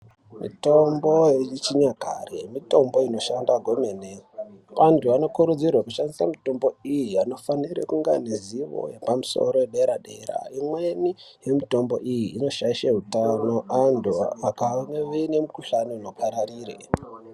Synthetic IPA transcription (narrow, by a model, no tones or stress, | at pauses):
mḭto̞mbo̞jet͡ʃiɲaka̰remito̞mbo̞ino̞ʃandaɡʱo̞meneʋantʰuʋano̞kuɾud͡zirwakuʃandisa̰mito̞mbo̞ijiano̞faniɾḛkuŋɡa̰neziʋo̰jepamuso̞̰ɾo̞eɗe̞ɾaɗe̞ra̰imweni | jemito̞mbo̞̰ʔijiːno̞ʃaiʃaɦutano̞ʔantʰuakaneʋeinemukuɬanoino̞pʰaɾariːrḛ